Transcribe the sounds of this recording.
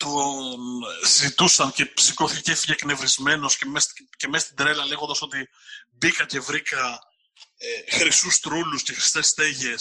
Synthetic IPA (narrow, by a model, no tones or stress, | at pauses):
t̪o | zit̪usɐnce̞psiko̞θicecefiʝe̞kne̞vɾizme̞no̞scemesce̞mest̪id̪ɾe̞lɐle̞ɣond̪ɐso̞t̪i | bikɐce̞vɾikɐ | exɾisust̪ɾulusce̞xɾist̪e̞st̪eʝe̞s